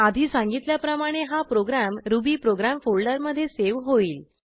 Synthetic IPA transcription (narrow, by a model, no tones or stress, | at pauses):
ad̪ʱiːsãŋɡit̪ljapɾəmaɽ̃eɦapɾoɡɾamɾubiːpɾoɡɾamfoɭɖəɾməd̪ʱːjeseʋɦoiːl